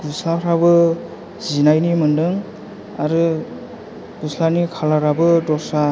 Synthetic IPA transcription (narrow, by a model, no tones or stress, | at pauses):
ɡuslaɾabɯ | zinajnimɯndɯŋ | aɾɯ | ɡuslanikʰalaɾabɯdɔsa